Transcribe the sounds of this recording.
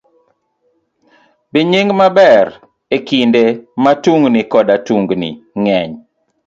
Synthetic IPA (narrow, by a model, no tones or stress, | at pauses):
biɲɪŋmabɛɾ | ekindematuŋɡnikɔdatuŋɡnḭŋɛɲ